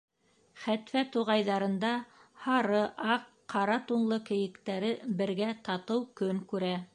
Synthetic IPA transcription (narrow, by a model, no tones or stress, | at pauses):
χæt̪fæt̪uʁɑjðɑɾɤ̆nd̪ɑhɑɾɤʔɑqːɑɾɑt̪unlˠɤkɘ̆jɘ̆kt̪æɾɘbɘ̆ɾɡæt̪ɑt̪ɤwkɵŋkʉɾæ